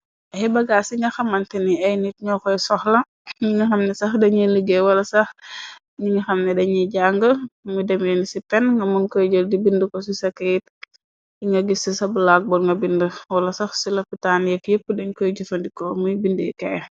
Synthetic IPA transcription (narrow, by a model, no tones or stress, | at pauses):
ʔɐjbɐɡaːsiŋɡɐxɐmɐntɛniɐjnit̚ɲɔxɔjsɔxlɐ | ɲiŋɐxɐmnɛsɐxdɐɲiliɡewɐlɐsɐx | ɲiŋɐxɐmnɛdɐɲiɟaŋɡəmudɛmɛnisipɛnŋɡɐmunkəːɟəldibindəkɔsisɐkːɐjit̚ | iŋɡɐɡisisɐbəlaɡ̚bɔlŋɡɐbindəwɐlɐsɐxsilɐpitanjɛkjəpːədɐɲkəɟufɐndikɔmujbindɛkɛ